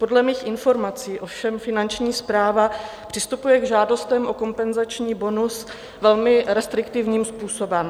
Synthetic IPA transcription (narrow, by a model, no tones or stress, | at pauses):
po̞dlɛmiːxʔɪnfo̞ɾmat͡siːʔo̞fʃɛmfɪnant͡ʃɲiːspɾaːva | pr̥ɪst̪upujɛɡʒaːdo̞st̪ɛmʔo̞ko̞mpɛnzat͡ʃɲiːbo̞nus | vɛlmɪɾɛst̪ɾɪkt̪ɪvɲiːmspuːso̞bɛm